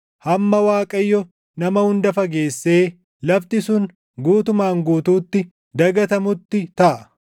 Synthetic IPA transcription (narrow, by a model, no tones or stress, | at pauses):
hɐmːɐwaːkʼɐjːɔ | nɐmɐhʊnd̪ɐfɐɡe̞ːsːe̞ː | lɐbt̪ɪsʊŋ | ɡuːt̪ʊmaːŋɡuːt̪uːt̪ːɪ | d̪ɐɡɐt̪ɐmʊt̪ːɪt̪ɐʔɐ